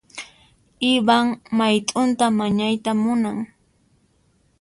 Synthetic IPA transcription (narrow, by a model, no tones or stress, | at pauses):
ɪbaŋmajt̪ʼʊnt̪amaɲajt̪amʊnaŋ